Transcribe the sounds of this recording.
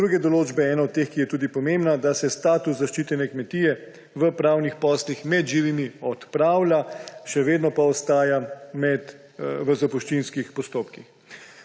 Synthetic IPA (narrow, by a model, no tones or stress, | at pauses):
d̪ɾuɡɛd̪ɔloːd͡ʒbɛɛːnɔɔt̪̚t̪eːxkijɛt̪uːd̪ipɔmembnad̪asɛst̪aːt̪uszaʃt͡ʃiːt̪ɛnɛkmɛt̪iːjɛ | ʋəpɾaːwnixpɔːslixmɛd̪ʒiːʋimiɔt̪pɾaːwlaʃɛʋeːd̪nɔpaɔst̪aːjamɛd̪ | ʋəzapuʃt͡ʃinskixpɔst̪oːpkix